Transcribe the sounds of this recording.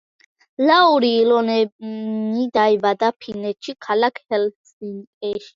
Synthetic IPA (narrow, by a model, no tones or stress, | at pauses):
lauɾiːlɔnɛnid̪aibad̪apʰinɛt̪ʃʰikʰalakʰhɛlsiŋkʼɛʃ